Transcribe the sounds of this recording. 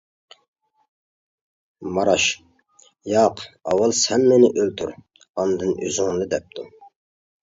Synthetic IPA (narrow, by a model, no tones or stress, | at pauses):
mɑɾɑʃ | jɑqɑ̰wɑlˠsɛmːɪnɪʔølt̪ʰuɾ | ɑnd̪ɨny̰zyŋlˠɨd̪ɛp̚t̪ʰu